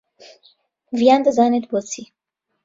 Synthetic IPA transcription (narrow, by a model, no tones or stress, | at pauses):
vijand̪əzaːnet̪bɔt͡sʰi